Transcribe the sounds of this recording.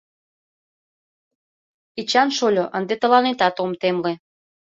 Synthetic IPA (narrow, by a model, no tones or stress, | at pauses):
it͡ɕɑnʃolʲoʔənd̪et̪ə̆lɑnet̪ɑt̪omt̪emle